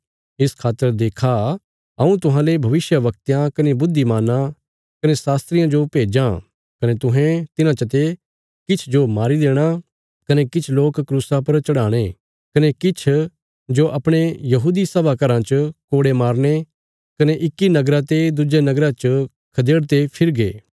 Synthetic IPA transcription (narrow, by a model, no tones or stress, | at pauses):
ɪskʰaːt̪ːəɾd̪eːkʰa | ɐũt̪ʊɦãːlebʱɐʋɪsjəʋɐkt̪jãkɐnebʊd̪ʱːimaːnã | kɐnesaːst̪ɾɪjãd͡ʒopeːd͡ʒã | kɐnet̪ʊ̃ɦɛ̃t̪ɪnãt͡ʃət̪̬e | kɪt͡ʃʰd͡ʒomaːɾid̪eːɽ̃a | kɐnekɪt͡ʃʰloːkkɾuːsapɐɾt͡ʃɐɽaːɽ̃e | kɐnekɪt͡ʃʰ | d͡ʒoʔɐpɽ̃ejɐɦuːd̪isɐbʱakɐɾãt͡ʃkoːɽemaːɾñe | kɐneʔɪkːinɐɡɾãt̪ed̪ʊd͡ʒenɐɡɾãt͡ʃə | kʰɐd̪eːɽt̪̬epʰɪɾɡḛː